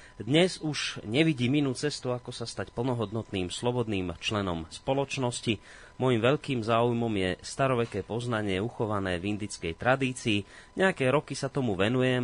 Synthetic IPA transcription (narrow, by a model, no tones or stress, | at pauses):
d̪ɲɛzuʒ̥ɲɛʋiɟiːminuːt͡sɛst̪uakɔsast̪acpl̩nɔɦɔd̪nɔt̪niːmslɔbɔd̪niːmt͡ʃlɛnɔmspɔlɔt͡ʃnɔsci | mɔjimʋɛʎkiːmzaːujmɔmjɛst̪aɾɔʋɛkɛːpɔznaɲɪɛuxɔʋanɛːvind̪it͡skɛjt̪ɾad̪iːt͡siːɲɛakɛːɾɔkisat̪ɔmuʋɛnujɛm